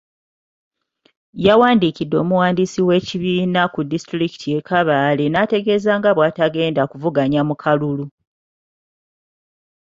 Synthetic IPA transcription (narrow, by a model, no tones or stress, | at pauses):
jawaːndikidːo̞ːmuwaːndisiwe̞ːciβiːnakudistɾiki̥tʰie̞kaβaːle̞nate̞ɡe̞zaːŋɡaβwaːtaɡe̞ːndakuvuɡaɲamukʰalulu